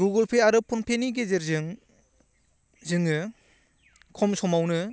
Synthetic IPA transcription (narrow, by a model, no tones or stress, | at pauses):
ɡuɡɔlpʰeaɾɯpʰunpʰeniɡezeɾzɯŋ | zɯŋɯ | kʰɔmsɔmawnɯ